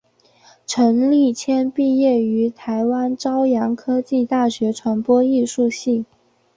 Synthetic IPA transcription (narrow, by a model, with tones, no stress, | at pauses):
ʈ͡ʂʰɤ˧˥ŋli˥˩t͡ɕʰjɛ˥npi˥˧jɛ˥˩y˧˥t̪ʰa˧˥ɪwa˥nʈ͡ʂɑ˥ʊjɑ˧˥ŋkʰɤ˥t͡ɕi˥˧t̪a˥˩ɕɥɛ˧˥ʈ͡ʂʰwa˧˥npwɔ˥i˥˧ʂu˥˧ɕi˥˩ŋ